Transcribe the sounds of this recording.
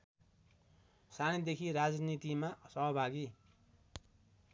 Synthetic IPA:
sañid̪ekʰiɾad͡znit̪imasʌɦʌbʱaɡi

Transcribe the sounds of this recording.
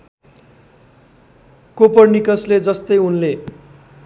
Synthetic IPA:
kopʌrnikʌsled͡zʌst̪ʌjunle

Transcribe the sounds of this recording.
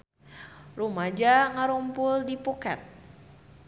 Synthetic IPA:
rumad͡ʒaŋaɾumpʊldipuka̰t̪̚

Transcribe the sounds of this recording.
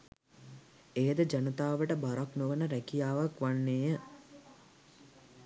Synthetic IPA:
ejəd̪əd͡ʒanət̪aːʋəʈəbaɾaknoʋənəɾækijaːʋakʋanːeːjə

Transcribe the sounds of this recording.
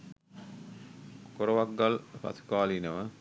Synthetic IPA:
koɾoʋaɡːalpɐ̰t̪ʰu̥kaːlinəʋə

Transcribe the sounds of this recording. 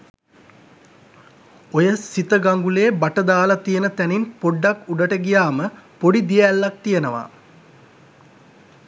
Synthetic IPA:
ojəsit̪əɡaŋɡuleːbaʈəd̪aːlɐt̪ijənət̪æninpoɖːakuɖəʈəɡijaːməpoɖid̪ijælːak̚t̪ijənəʋa̰

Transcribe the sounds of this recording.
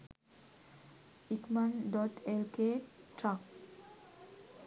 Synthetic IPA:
ikmanɖɔʈelkeʈɾak

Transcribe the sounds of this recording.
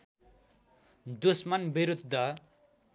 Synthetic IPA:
d̪usmʌnbiɾud̪ʱːʌ

